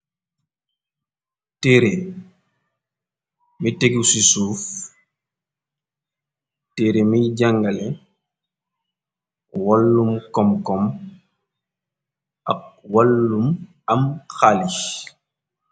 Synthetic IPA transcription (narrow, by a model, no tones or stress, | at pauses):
teɾe | miteɡusisuːf | teɾemiɟaŋɡalɛ | walːumkɔmkɔm | ʔa̰k̚walːum | amxali